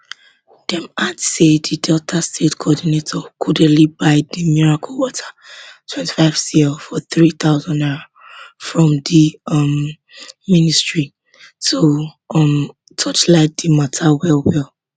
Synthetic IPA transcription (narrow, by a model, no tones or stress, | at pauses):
d̥ɛ̃madsedidɛltʰastʰetkʰɔdinetʰɔkʰudɛlibaɪdimiɹakʰɔwɔtʰḁtʰwɛ̃nti̥faɪv̥sifɔθɹit̪aʊzɔ̃naɹa | fɹɔ̃mdimː | ĩnistɹi | so | m | tʰɔt͡ʃlaɪk̚dimatʰawɛlwɛl